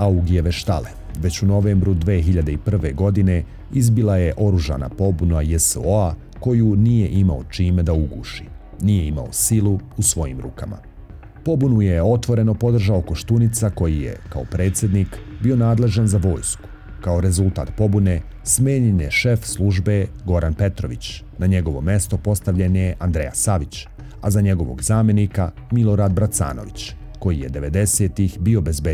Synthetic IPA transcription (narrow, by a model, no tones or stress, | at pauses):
auɡijeʋe̞ʃt̪aleʋe̞t͡ɕuno̞ʋeːmbɾud̪ʋeːɦiʎad̪eipr̩ʋe̞̰ɡo̞d̪ine̞ | izbilaje̞ʔo̞ɾuʒa̰ːna̰po̞bunajesoa | ko̞junije̞ʔimaot͡ʃiːmed̪auɡuːʃi̥ | nije̞ima̰o̞̰siluusʋo̞jḭmɾṵːkama̰ | po̞bunujeo̞t̪ʋo̞ɾe̞no̞po̞d̪r̩ʒao̞ko̞ʃt̪unit̪sako̞jije̞̰kao̞pɾe̞ːt̪sʲjed̪nikbio̞naːd̪le̞ʒanzaʋo̞ːjsku̥ | kao̞ɾe̞zult̪a̰ːt̪po̞bune | smeːɲeneʃe̞fslˠuʒbeɡo̞ɾanpe̞t̪ɾo̞̰ʋit͡ɕ | naɲe̞ɡo̞ʋo̞̰me̞st̪o̞po̞st̪aʋʎeneʔand̪ɾḛja̰saʋit͡ɕ | azaɲeɡo̞ʋo̞̰ɡzaːmje̞nika | milˠo̞ɾaːd̪̚bɾat̪sa̰ːno̞̰ʋit͡ɕ | ko̞jijed̪e̞ʋe̞d̪e̞seːt̪ixbio̞be̞zbe